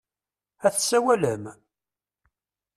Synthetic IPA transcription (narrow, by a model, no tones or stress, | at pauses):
æθsːæwæləm